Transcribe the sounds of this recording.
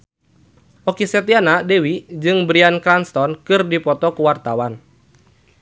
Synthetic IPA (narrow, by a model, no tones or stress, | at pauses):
ʔɔkisɛt̪ianadɛwid͡ʒɨŋbɾiankɾanst̪ɔnkɨrdipɔt̪ɔkuwart̪awan